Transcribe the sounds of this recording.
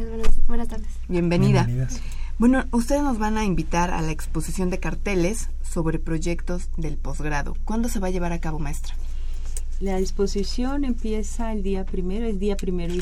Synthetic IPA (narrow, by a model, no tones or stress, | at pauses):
wenat̪aɾðebje̞mbe̞niða | bwe̞no̞ust̪e̞ðe̞zno̞zβanaimbit̪aɾa̰laekspo̞sisjo̞nd̪e̞kaɾt̪e̞le̞sː | o̞βɾe̞pɾo̞ʝe̞kt̪o̞zðe̞lpo̞zɣɾaðo̞̰kwand̪o̞se̞βaʝe̞β̞aɾakaβo̞maest̪ɾḁ | laðispo̞sisjo̞ne̞mpje̞saeld̪iapɾimeɾoezd̪iapɾimeɾ